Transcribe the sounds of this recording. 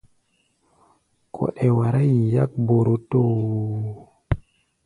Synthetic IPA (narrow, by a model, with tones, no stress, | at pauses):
kʰɔ̰˨ɗɛ˨wa˨ɾa˦ji˨ja˦k̚bo˨ɾo˦to˦